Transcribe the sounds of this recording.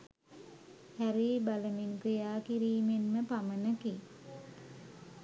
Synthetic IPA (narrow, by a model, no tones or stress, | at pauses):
hæɾiːbaləminkɾijaːkiɾiːmenməpamənəki